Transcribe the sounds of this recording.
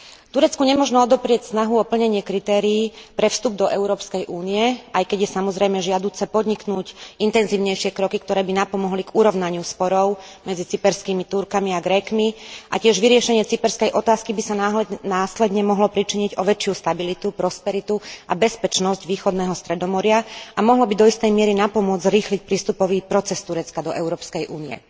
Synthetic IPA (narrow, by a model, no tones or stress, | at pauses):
t̪uɾɛt͡skuɲɛmɔʒnɔɔd̪ɔpɾɪɛcsnaɦuɔpl̩ɲɛɲɪɛkɾit̪ɛːɾiːpɾɛfst̪ub̚d̪ɔʔɛʊɾɔːpskɛjʔuːniɛʔajkɛɟjɛsamɔzɾɛjmɛʒɪad̪uːt͡sɛpɔd̪ɲiknuːcint̪ɛnziːʊɲɛjʃɪɛkɾɔkikt̪ɔɾɛːbinapɔmɔɦliɡuɾɔʊnaɲɪuspɔɾɔʊmɛd͡zit͡sipɛɾskiːmit̪uɾkamiaɡɾɛkmiʔacɪɛʒʋiɾɪɛʃɛɲɪɛt͡sipɛɾskɛjʔɔt̪aːskibisananaːslɛd̪ɲɛmɔɦlɔpɾit͡ʃiɲiɟɔʋɛt͡ʃɪust̪abilit̪upɾɔspɛɾit̪uabɛspɛt͡ʃnɔzɟʋiːxɔd̪nɛːɦɔst̪ɾɛd̪ɔmɔɾɪaamɔɦlɔbid̪ɔist̪ɛjmɪɛɾinapɔmʊɔd͡zzɾiːxlic̚pɾiːst̪upɔʋiːpɾɔt͡sɛst̪uɾɛt͡skad̪ɔʔɛʊɾɔːpskɛjʔṵːniɛ̰